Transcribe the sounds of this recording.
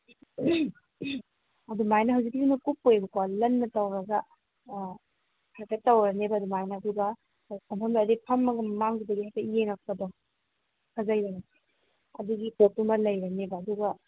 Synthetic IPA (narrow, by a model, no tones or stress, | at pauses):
ɐdumajnɐɦawzik̚iɡinukupːojbɐkalɐnːɐtɐwɾɐɡɐ | hʰaɾkatɐwɾɐnebɐːdumajnɐːduɡɐ | sɐmpʰɐmdaːdipʰɐmːɐɡɐmaŋdidɐɡihajtɐijeŋɐk̚pɐdɔ | kʰɐzajɾana | ɐduɡipotumɐlɐjɾɐnebɐɐduɡɐ